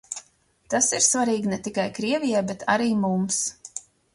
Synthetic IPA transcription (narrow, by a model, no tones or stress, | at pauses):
t̪asiɾsvaɾiːɡnɛt̪ikajkɾiɛvʲijajbɛt̪ʰa̰ɾiːmums